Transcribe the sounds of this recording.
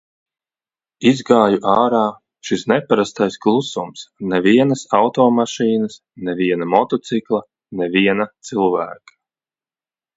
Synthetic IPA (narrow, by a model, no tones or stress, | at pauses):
izɡaːjuʔaːɾaː | ʃisnɛpaɾast̪ajsklˠusumsnɛviɛnɐsawt̪ɔːmaʃiːnəs | nɛviɛnamɔt̪ɔt̪siklˠa | nɛviɛnat̪silˠvæ̰ːkḁ